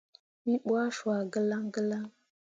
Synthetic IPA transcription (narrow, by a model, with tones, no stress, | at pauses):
i˦ɓwa˦ʃa˨ɡə˦la˦ŋɡə˦la˦ŋ